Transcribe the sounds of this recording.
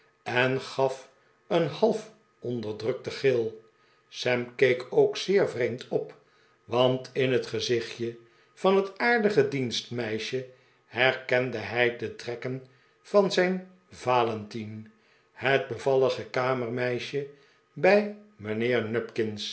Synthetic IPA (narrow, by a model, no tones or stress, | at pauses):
ɛnχɑf | ənhɑlˠf | ɔndəɹdrɵk̚təχɪlˠ | sɛmkejkʰowksɪːɹvrejmtʰɔp | ʋɑntʰɪnɦətχəzɪχjə | v̥ɑnɦətaːɹdəχədinstmɛjʃə | hɛɹkɛndəɦɛjdətrɛkən | v̥ɑnzɛjn | vaːlɛntin | həd̚bəvɑləχəkaːməɹmɛjʃə | bɛjmənɪːɹnœpkɪns